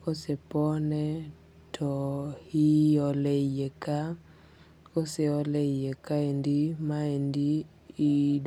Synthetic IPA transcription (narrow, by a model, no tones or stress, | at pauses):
kosepɔnɛ | tʰɔhiɔlejeka | koseɔlejekaendimaendiː | d